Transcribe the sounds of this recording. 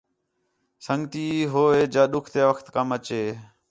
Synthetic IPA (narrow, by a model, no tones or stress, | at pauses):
səŋɡt̪iːɦoːeːd͡ʒaːɗʊkʰt̪eːʋəkʰt̪kəmət͡ʃeː